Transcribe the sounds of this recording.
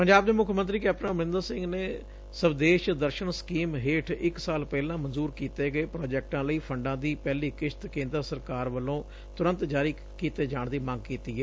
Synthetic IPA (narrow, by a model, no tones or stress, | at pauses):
pəɲd͡ʒaːbd̪eːmʊkʰmə̃nt̪ɾiːkɛːpnãːməɾɪ̃nd̪əɾsɪ̃ŋɡneː | səbd̪eːʃd̪əɾʃənskiːmɦeːʈʰɪksaːlpɛːlãːmənzuːɾkiːt̪eːɡəeːpɾoːd͡ʒɛːk̚ʈãːləiːpʰəɳɖãːd̪iːpɛːliːkɪʃt̪kẽːnd̪ɾəsəɾkaːɾʋəlõː | t̪ʊɾə̃nt̪d͡ʒaːɾiː | kiːt̪eːd͡ʒaːɳd̪iːmãŋɡ̚kiːt̪iːɦɛː